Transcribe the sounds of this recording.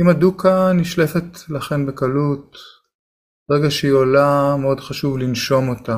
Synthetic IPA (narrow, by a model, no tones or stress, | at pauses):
imadukaniʃle̞fetlaχe̞nbekalut̪ | beʁeɡaʃeiolameo̞dχaʃuvlinʃo̞mo̞ta